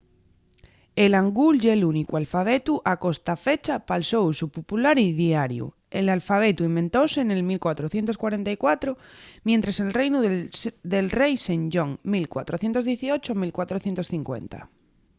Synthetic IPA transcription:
elaŋɡulʝelunikualfaβ̞et̪uʔako̞st̪afet͡ʃapalsowsupopulaɾiðjaɾjṵ | elalfaβ̞et̪uimbẽnt̪osenelmilkwat̪ɾoθje̞nt̪o̞skwaɾent̪aikwat̪ɾomjent̪ɾaselrejnuðelrejsend͡ʒoŋmilkwa̰t̪ɾoθjent̪o̞zðjeθiot͡ʃomilkwat̪ɾoθje̞nt̪osθiŋkwḛnt̪a̰

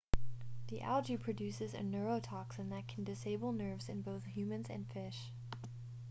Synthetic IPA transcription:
ðiʔæ̰lˠd͡ʒipʰɹ̥ɨdʉsɨzɨ̰nɜ˞oʊtʰɑksɨ̃nðɨt̚kʰn̩dɨseɪbl̩ˠnɜ˞vzɨ̃nboʊθhjʉmɨ̃nzɨ̰̃nfɪʃ

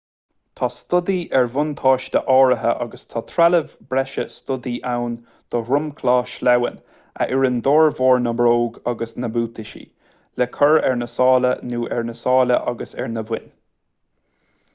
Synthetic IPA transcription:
t̪ʰɑst̪ʊd̪iʔɛɹvʊnt̪ʰɑːʃd̪əʔɑːɹəɦəʔɑ̰ɡəst̪ʰɑt̪ʰɾaləvbɾɛʃəst̪ʊd̪iʔawn | d̪̥ɔɾʊmkʰlɑːʃlɛwə̰n | ʔə̰a̰ʔɪɹənd̪oːɹvɔːɹnəbɾoːɡɑɡəsnəbuːt̪ʰɪʃḭ | lɛkʰəɹɛɹnəsɑːlənuːʔɛɹnəsɑːləʔɑɡəsɛ̰ɹnəvɪn

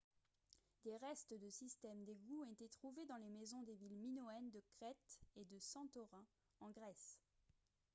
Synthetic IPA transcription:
d̪eʁɛst̪d̪əsist̪ɛmd̪eɡuɔ̃et̪et̪χuved̪ɑ̃lemezɔ̃d̪evilminɔɛnd̪əkχɛt̪ed̪əsɑ̃t̪ɔʁɛ̃ | ɑ̃ɡʁɛs

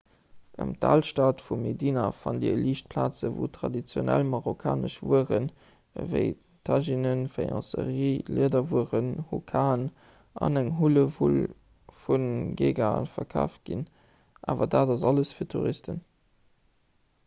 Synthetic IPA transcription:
ʔə̰mtʰaːlʃtaːtfumedinɐfɑndiəliːʃt̚pʰlaːt͡səvutʰʁ̥ɑdit͡sjonælmɑʁokʰaːnəʃvuəʁən | vəɪ | tʰɑʒinənfejɑ̰̃səʁiːliədɐvuəʁənhukʰaːn | ʔɑ̰næŋɦuləvul | funɡeːɡanfɐkʰa̰ːft̚ɡ̥in | ʔaːvɐdaːdɑzɑləsfiːɐtʰuʁistən

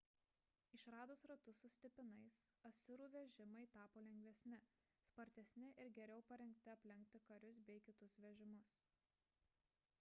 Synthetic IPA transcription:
ɪʃɾɑːd̪ʊsɾɐt̪ʊsʊsʲt̪ʲɪpʲɪnɐɪsɐsʲʊɾuːʋʲɛʒʲɪmɐɪt̪ɑːpoːlʲɛŋʲɡʲʋʲɛsʲnʲɪ | spɐɾʲt̪ʲɛsʲnʲɪʔɪɾɡʲɛɾʲɛʊpɐɾʲɛŋʲk̚t̪ʲɪɐpʲlʲɪŋʲk̚t̪ʲɪkɐɾʲʊsbʲɛɪkʲɪt̪ʊsʋʲɛʒʲɪmʊs

